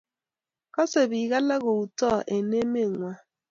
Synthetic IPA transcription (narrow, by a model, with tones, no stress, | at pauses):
kɔ˦se˨bi˨ɣa˦la˦ɣo˨u˨tɔ˦˨ʔe˨ne˦me˦˨ŋʷa˦